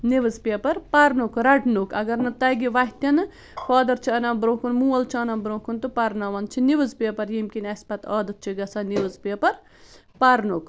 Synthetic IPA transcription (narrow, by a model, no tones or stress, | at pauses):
niʋɨzpepɐɾpɐɾnukɾɐʈnukɐɡɐɾnɨt̪ɐɡiʋɐɦʲt̪ɐnɨ | fɐːd̪ɐɾt͡ʃʰiɐnɐmbɾõːkunmuːɐlt͡ʃʰiɐnɐmbɾõːkunt̪upɐɾnɐʋɐnt͡ʃʰiniʋɨzpɐpɐɾjimkʲinɐsʲpɐt̪ɔːd̪ɐt̪̚t͡ʃʰiɡɐsɐːniʋɨzpɐpɐɾ | pɐɾnok